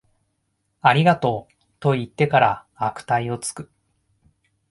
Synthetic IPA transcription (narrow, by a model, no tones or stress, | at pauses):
aɾʲiɡat̪o̞ː | t̪o̞it̪ːe̞kaɾa | akɯ̟̥t̪aio̞t͡sɨ̥kɯ̟̥